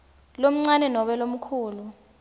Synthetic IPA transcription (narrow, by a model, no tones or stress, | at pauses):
lom̩ŋ͡ǀanɛnɔɓɛlom̩kʰuːlu